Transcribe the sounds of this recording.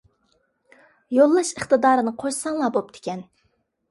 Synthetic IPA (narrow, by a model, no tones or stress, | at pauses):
jolˠːɑʃəχt̪ɨd̪ɑːɾɨnɨqʰoʃsɑŋlˠɑbop̚d̪ʰɪ̥kʲɛn